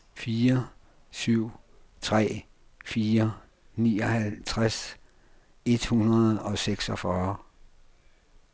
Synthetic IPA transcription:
fiːɐ | syʊ̰ | t͡sʰʁɛ̰ː | fiːɐ | niːɒ̽hælt͡sʰʁas | e̝d̥hunɐð̩ˠɒ̽seɡ̥sɒfɶɐ

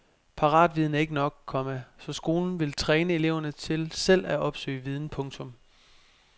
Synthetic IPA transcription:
pʰɑ̈ʁɑ̰̈ːd̥ʋið̞ˠn̩æɐe̝ɡənɒ̽ɡ̥̚kʰːɒ̽məsɒ̽sɡ̥o̝ːln̩ʋe̝lt͡sʰʁɛːnəe̝le̝ʊ̰ɐnət͡sʰe̝lsel̰æʔɒ̽b̥sø̰ːɪʋið̞ˠn̩pʰɔ̽ŋt͡sʰɔ̽m

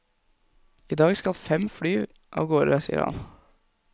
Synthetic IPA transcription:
iːd̪ɑːɡskɑlfɛmfɽyː | ʔɑ̰ːʋɡoːɾəsḭːə̰ɾhɑ̰n

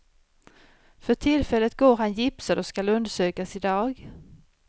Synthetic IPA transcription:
fœʈʰɪlfɛlːət̪̚ɡoːɾɦanjɪpsaɾɔskalɵnd̪əʂøːkasɪd̪ɑːɡ

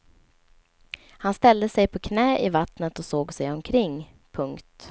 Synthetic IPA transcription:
hanst̪ɛld̪əsɛjpʰɔkʰnɛːʔɪvat̪nət̪ɔsoːɡsɛjɔmkʰɾɪŋː | pʰɵŋkt̪

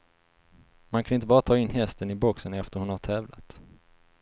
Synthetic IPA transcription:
mankʰanɪnt̪əbɑːɾat̪ʰɑːɪnːɦɛst̪ənɪbɔksənɛft̪əɾhʊnhaʈ̪ʰɛːvla̰t̪

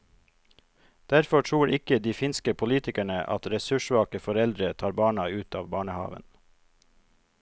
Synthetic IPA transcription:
d̪̥æɾfɔʈʰɾuːɾɪkəd̪iːfɪnskəpʰʊliːt̪ɪkæɳəʔɑ̰t̪ɾɛsʉʃʋɑːkəfɔɾɛld̪ɾət̪ʰɑːɾbɑːɳɑʉːt̪ɑːʋbɑːɳəhɑ̰ːʋə̰n

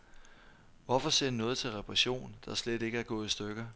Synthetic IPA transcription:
ʋɒfɒ̽seɐdinɔ̽ːð̞̩ˠt͡sʰe̝lʁɛpʰʁɛɕo̝̰ːnd̥ɑ̈sled̥e̝ɡ̥əæɐɡ̥ɔ̰̽ːð̩ˠisd̥øɡ̥ɐ

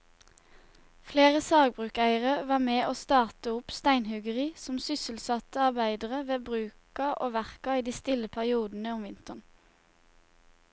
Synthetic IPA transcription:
fleːʁəsɑːɡ̚bʁʉːkæɪəʁəʋɑːmeːʔoːst̪ɑːʁt̪əʊpst̪æɪnhʉɡəʁiːsɔmsʏsəl̩sɑt̪əɑʁbæɪd̪əʁəʋeːbʁʉːkɑʔoːʋæʁkɑiːd̪iːst̪ɪləpʰæʁɪuːd̪n̩əʊmʋɪnt̪əʁn

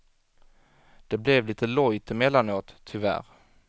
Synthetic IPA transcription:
d̪̥ɛblɛvliːt̪əlɔjt̪ɪmɛlːanoːt̪ʰːʏvæ̰ɾ

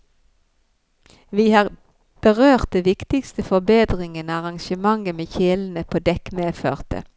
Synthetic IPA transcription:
ʋiːhɑːʁ | b̥əʁøːʁt̪̚d̪ɛːʋɪkt̪ɪkst̪əfɔbeːd̪ʁɪŋənəɑʁɑŋʃəmɑŋəmeːçɪln̩əpʰoːd̪ɛkmeːføːʁt̪ə̰

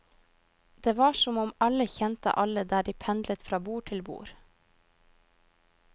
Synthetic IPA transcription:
d̪̥eːʋɑːʃɔmɔmɑləçɛnt̪ə̰ʔɑləd̪æːɖiːpʰɛnd̪lət̪fɾɑːbuːʈʰɪlbṵːɾ

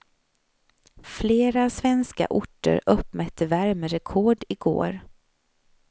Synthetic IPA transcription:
fleːɾasvɛnska̰ʔʊʈːə̰ɾɵpːmœt̪ʰːəvæɾməɾɛkʰɔɖɪɡo̰ːɾ

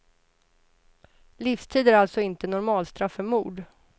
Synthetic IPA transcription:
liːfst̪ʰiːd̪æɾalt̪sɔɪnt̪ənɔɾmɑːlst̪ɾafːœmuːɖ

